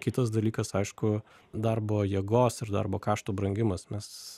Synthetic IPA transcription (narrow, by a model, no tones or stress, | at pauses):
kʲɪt̪ɐs̬d̪ɐlʲiːkɐsɐɪʃkʊ | d̪ɐrboːjiɛɡoːsɪrd̪ɐ̰rboːkɑːʃt̪uːbɾɐŋʲɡʲɪmɐsmʲɛs